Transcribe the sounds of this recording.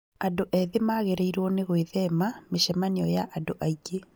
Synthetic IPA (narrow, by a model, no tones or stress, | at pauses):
adoʔɛðemaːɣeɾɛiɾwɔneɣweðɛmameʃɛmaneɔjaʔandoʔaiɡe